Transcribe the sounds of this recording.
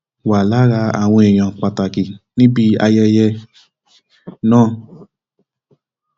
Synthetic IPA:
wa˨la˨˦ɾa˧a˨w̃ɔ̃˧e˨j̃ɔ̃˨k͡pa˨ta˨ki˨nĩ˦bi˦a˧jɛ˧jɛ˧ | nãː˦˨

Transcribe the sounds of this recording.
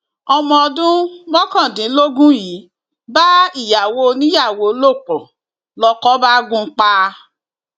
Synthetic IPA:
ɔ˧mɔ̃˧dũ˦mɔ̃˦kã˦˨dĩ˨˦lo˦ɡũ˦jiː˨˦ | ba˦i˦˨ja˨wo˧nĩ˦ja˦˨wo˨˦lo˦˨k͡pɔ˨ | lɔ˧˦kɔ˦ba˦ɡũ˦k͡pa˦

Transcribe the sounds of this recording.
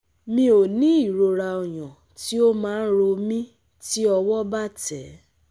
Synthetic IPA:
mĩ˧˦o˨nĩ˦i˦˨ɾo˧ɾa˧o˨j̃ɔ̃˨ | ti˦o˦mãː˨˦ɾo˧mĩ˦ | ti˦ɔ˧wɔ˦ba˦˨tɛ˨˦

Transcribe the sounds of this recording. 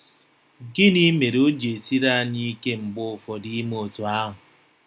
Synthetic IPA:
ɡɪ˦ni˦me˨ɾo˦d͡ʒe˨si˦ɾa˦ni˦ke˦ŋ͡m̩˨ɡ͡bʊ˦˨fɔ˨di˦mo˨tu˨a˦ɦʊ˨

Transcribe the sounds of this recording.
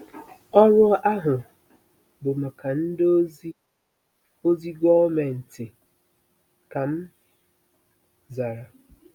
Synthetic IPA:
ɔ˦ɾʊ˦ʔa˦ɦʊ˨ | bʊ˨m̩˨ka˨n̩˦do˦ | o˦zi˦ɡɔ˦me˨n̩˨tɪ˨ | ka˨m̩˦ | za˨ɾa˨

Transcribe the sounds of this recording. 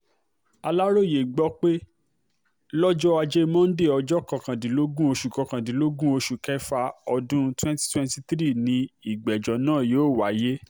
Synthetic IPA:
a˧la˦ɾo˦˨je˨ɡ͡bɔ˦k͡pe˦ | lɔ˦d͡ʒɔ˦a˧d͡ʒe˦mɔ̃˦n̩˦de˦˨ɔ˧d͡ʒɔ˦kã˨˧kã˨dĩ˨˦lo˦ɡũ˦o˧ʃu˨kɔ˧˦kã˨dĩ˨˦lo˦ɡũ˦o˧ʃu˨kɛ˦fa˧ɔ˧dũ˦twɛ̃˦nti̥˦twɛ̃˦nti˦t̪ɾi˦˨nĩ˧i˨ɡ͡bɛ˨d͡ʒɔ˨˦nãː˦˨joː˨˦˨wa˨˦je˦

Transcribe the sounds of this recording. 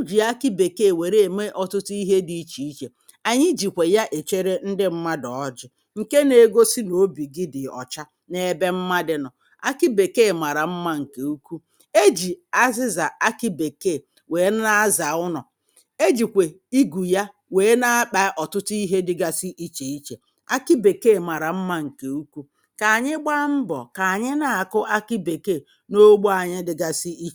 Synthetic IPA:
u˦d͡ʒi˨a˦kɪ˦be˨ke˦˨we˨ɾe˦e˨me˦ʔɔ˨tʊ˦ti˦ɦe˦di˦i˦t͡ʃi˨i˦t͡ʃe˨ | a˨ɲɪ˦d͡ʒi˨kʷe˨ja˦ʔe˨t͡ʃe˦ɾe˦n̩˦dɪ˦m̩˦ma˦dɔ˨ɔ˦d͡ʒɪ˦ | ŋ̩˨ke˦ne˨ɡo˦si˦no˨˦bi˨ɡɪ˦dɪ˨ɔ̰˨t͡ʃa˦ | ne˨e˨be˦m̩˦ma˦dɪ˨nɔ˨ | a̰˦kɪ˦be˨ke˦˨ma˨ɾa˨m̩˦ma˦ŋ̩˨ke˨u˦ku˦ | e˦d͡ʒi˨a˦zɪ˦za˨a˦ki˦be˨ke˦˨ | we˨˦n˦a˦za˨ʊ˦nʊ˨ | e˦d͡ʒi˨kʷe˨i˦ɡu˨ja˦ | weː˨˦na˦a˦k͡pa˦ʔɔ˨tʊ˦ti˦ɦe˦dɪ˦ɡa˦si˦ʔi˦t͡ʃe˨i˦t͡ʃe˨ | a̰˦ki˦be˨ke˦˨ma˨ɾa˨m̩˦ma˦ŋ̩˨ke˨u˦ku˦ | ka˨a˨ɲɪ˦ɡ͡ba˦m̩˦bɔ̰˨ka˨a˨ɲɪ˦na˨a˨kʊ˦ʔa˦ki˦be˨ke˦˨ | no˦ɡ͡bo˦a˨ɲɪ˦dɪ˨ɡa˦sɪ˦i˦t͡ʃ

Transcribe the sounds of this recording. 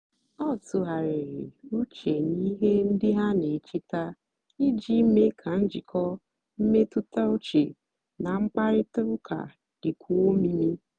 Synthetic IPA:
ɔ˦˨tʊ˨ɦa˨ɾɪ˨ɾɪ̰˨u˦t͡ʃe˨ni˦ɦe˦n̩˦dɪ˦ɦa˦ne˨t͡ʃi˦ta˦ | i˦d͡ʒi˦me˦kʰa˨n̩˦d͡ʒi˨kʰɔ˦ | m̩˦me˦tʊ˦ta˦u˦t͡ʃe˨ | na˨ŋ͡m̩˦k͡pa˦ɾɪ˦tʊ˦ɾʊ˦kʰa̰˨ | d̥ɪ˨kʷʰu˦o˦mi˦mi˦

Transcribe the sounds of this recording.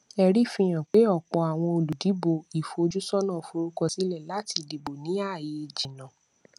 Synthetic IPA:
ɛ˧ɾi˦˨fĩ˧j̃ã˨k͡pe˨˦ɔ˦˨k͡pɔ˧a˨w̃ɔ̃˧o˨lu˨di˨˦bo˨i˨fo˧d͡ʒu˦sɔ˦nã˦˨fo˧ɾo˦kɔ˧si˦lɛ˦˨la˦ti˧˨di˨bo˨nĩ˨˦a˦˨je˧˨d͡ʒi˨nã˨

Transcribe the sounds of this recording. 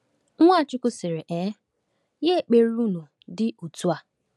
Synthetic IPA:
ŋʷa˦˨t͡ʃʊ˦kʊ˦sɪ˨ɾe˨ʔe˨˦ | je˦˨k͡pe˨ɾu˦nu˨ | dɪ˦u˨tu˦a˨

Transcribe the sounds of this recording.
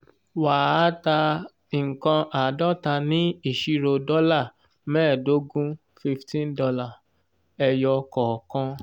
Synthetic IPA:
wa˨a˦ta˧˨ | kã˧ʔa˨dɔ˦ta˧nĩ˦i˦˨ʃi˧ɾo˧dɔ˦la˦˨ | mɛ̃ː˦˨do˨˦ɡũ˦ | fi˧ftĩ˦n˦dɔ˧la˦˨ | ɛ˧jɔ˧kɔ˨kɔ̃˧

